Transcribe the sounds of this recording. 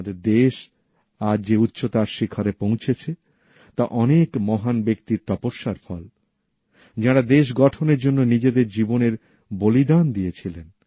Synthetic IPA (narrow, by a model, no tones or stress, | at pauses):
d̪eɾd̪eʃ | aɾd͡ʑeut̪ːɕot̪aɾʃikʰːaɾepõw̃t͡ɕʰet͡ɕʰe | t̪aʔɔnekmɔɦanbek̚t̪iɾt̪ɔpoʃːaɾfɔl | d͡ʑaɽad̪eʃ̬ɡɔʈʰoneɾd͡ʑonːonid͡ʑed̪eɾd͡ʑiboneɾ | bolid̪and̪iet͡ɕʰilen